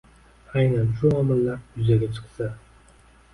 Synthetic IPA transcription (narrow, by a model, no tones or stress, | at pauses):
ajnanʃʊɒmɨlːaɾjʊzaɡʲat͡ʃʰɨ̥qsa